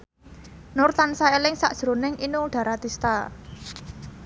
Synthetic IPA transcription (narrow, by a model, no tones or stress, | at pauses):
nʊrt̪ansaelɪŋsa̰ʔd̥ʒ̥ɾonɪŋinuɖ̪̥a̤ɾat̪ist̪a